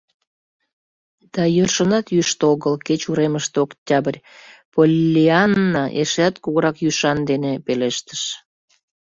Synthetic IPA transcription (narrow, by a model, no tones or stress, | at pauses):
d̪̥ɑjørʃənɑt̪jyʃt̪oɣəlket͡ɕuɾeməʃt̪oktʲɑbərʲ | polʲːiɑnːɑʔeʃeæt̪kuɣəɾɑkjyʃɑnd̪enepeleʃt̪ə̥ʃ